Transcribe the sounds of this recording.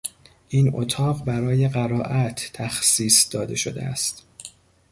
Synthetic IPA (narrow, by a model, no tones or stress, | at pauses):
ʔiːno̰t̪ʰɒːɢbæɾɒːje̞ɢæɾɒːʔæt̪ʰːæxsiːsd̪̥ɒːd̪e̞ʃo̞̰d̪ḛæ̰st̪